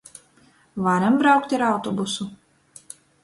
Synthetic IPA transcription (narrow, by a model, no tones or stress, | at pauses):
vaɾambɾawkt̪ʲaɾawt̪ɔbusu